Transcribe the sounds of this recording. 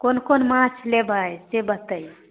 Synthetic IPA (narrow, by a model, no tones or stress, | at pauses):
konkonmãt͡ʃʰlebʱəjsebət̪əj